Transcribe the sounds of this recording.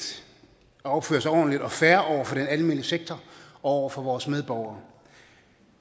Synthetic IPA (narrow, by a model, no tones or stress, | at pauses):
ɒb̥fø̰ːɐsɒ̰ːnlid̥ɒ̽fæɐʔɒʊ̰ɐfɒ̽d̥enælme̝ːnliseɡ̥̚t͡sʰɒɒʊ̰ɐfɒ̽ʋɒːsmeð̞ˠb̥ɒʊ̰ɐː